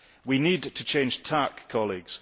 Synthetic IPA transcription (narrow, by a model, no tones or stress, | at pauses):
winidtʰət͡ʃʰẽɪ̃nʒ̥tʰakʰːɒlˠiɡz̥